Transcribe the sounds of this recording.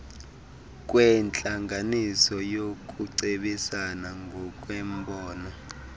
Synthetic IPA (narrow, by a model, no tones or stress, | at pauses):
k̬ʼwɛnt͡ɬʼaŋɡanisɔjok̬ʼuǀeɓisanaŋɡʱɔk̬ʼwɛmbɔːnɔ